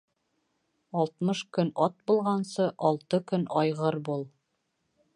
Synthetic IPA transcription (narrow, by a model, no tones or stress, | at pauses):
ɒlˠt̪mɤʃkɵnɒt̪̚bulˠʁɑnsɤʔɒlˠt̪ɤkɵnɒjʁɤɾbulˠ